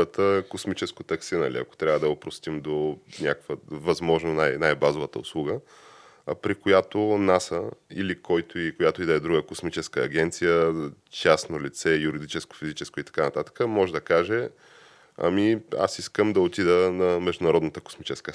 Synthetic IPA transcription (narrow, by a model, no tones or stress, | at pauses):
ət̪əkosmit͡ʃɛskot̪ɐksinɐ̰lḭɐ̰ko̥t̪ɾʲavəd̪ɐopɾost̪imd̪onʲakkvəvɐzmɔʒnonajnajbazovət̪əʊ̰slˠuɡə | pɾikojat̪onasəḭlikʰɔjt̪oikojat̪oid̪ɐɛd̪ɾuɡəkosmit͡ʃɛskəːɡʲɛnt̪sijə | t͡ʃasnolit̪sɛjuɾid̪it͡ʃɛsko̥fizit͡ʃɛskoit̪ɐ̥kanɐt̪at̪ə̥kəmɔʒɛd̪ɐkaʒɛ | ɐ̰mia̰siskəmd̪ɐot̪id̪ənɐmɛʒd̪ʊnɐɾɔd̪nət̪əko̥smit͡ʃɛskə